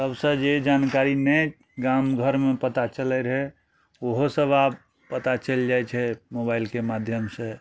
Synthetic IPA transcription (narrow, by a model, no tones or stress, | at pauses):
səbsə̃d͡ʒed͡ʒankaɾinɛ | ɡamɡʱəɾmepət̪at͡ʃəlɛɾɦɛ | oɦosəbab | pət̪at͡ʃəld͡ʒajt͡ʃʰɛmobailkemad̪ʱjəmsẽ